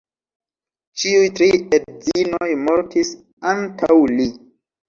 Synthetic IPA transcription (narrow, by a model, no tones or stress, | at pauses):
t͡ʃiujtɾiedzinojmoɾtʰis | antʰawli